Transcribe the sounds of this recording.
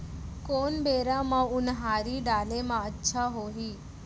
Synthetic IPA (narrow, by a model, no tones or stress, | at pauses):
koːnbeːɾãmãʊnɦaːɾiɖaːlemãətːʃʰaɦoːɦiː